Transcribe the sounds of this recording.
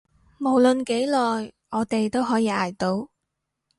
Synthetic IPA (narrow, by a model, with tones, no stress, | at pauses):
mo˨˩wlɵ˨nke˨˥jlɔː˨j | ɔː˨˧t̪e˨jt̪o˥wɦɔː˨˥jiː˨˧aː˨˩jt̪o˧w